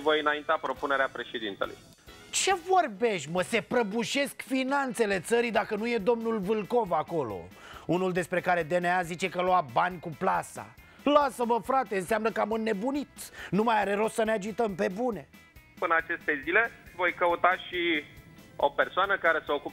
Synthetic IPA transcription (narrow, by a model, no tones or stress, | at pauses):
vojɨnaint̪eapɾo̞pune̞ɾeapɾe̞ʃed̪int̪elṵj | t͡ʃe̞vo̞rbe̞ʃməse̞pɾəbuʃe̞skfinant̪se̞le̞t̪səɾid̪akənuje̞d̪o̞mnulvɨlko̞vako̞lo̞̰ | unuld̪e̞spɾe̞kaɾe̞d̪e̞neazit͡ʃe̞kəloabanʲkuplasa̰ | lasəməfɾat̪e̞ɨnseamnəkamɨnːe̞bunit̪numajaɾe̞ɾo̞ssənead͡ʒit̪əmpe̞bune̞ | pɨnat͡ʃe̞st̪e̞zile̞vo̞jkəut̪aʃi | o̞pe̞rsoanəkaɾe̞seo̞kup